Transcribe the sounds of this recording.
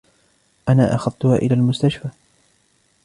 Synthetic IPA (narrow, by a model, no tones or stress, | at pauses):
ʔanaːʔaxɑðˤt̪ʊhaːʔɪlaːlmʊst̪aʃfaː